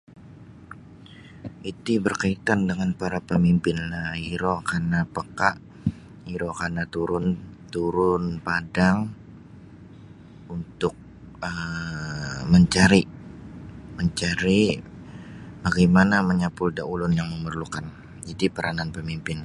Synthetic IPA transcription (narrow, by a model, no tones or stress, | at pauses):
ʔit̪ibərkait̪andəŋanpaɾapəmimpɪnlaiɾokarnapəkaʔ | iɾokarnat̪uɾʊnt̪uɾʊnpadaŋ | unt̪ʊk̚ | ə | məɲt͡ʃaɾi | məɲt͡ʃaɾi | baɡajmanaməɲapʊldaulʊnjaŋməmərlukan | d͡ʒadipəɾʔananpəmimpɪn